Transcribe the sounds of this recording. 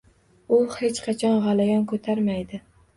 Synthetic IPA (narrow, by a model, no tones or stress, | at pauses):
ʊhe̞t͡ʃqʰɑt͡ʃʰɒnʁalajɒnkʰɵt̪ʰaɾmajd̪ɪ